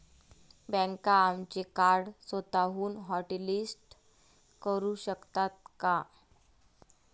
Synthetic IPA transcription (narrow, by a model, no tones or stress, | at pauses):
bɛ̃ŋkaːmt͡ɕekaɾɽsət̪aɦuːnɦɔʈelisʈ | kəɾuɕəkt̪at̪̚ka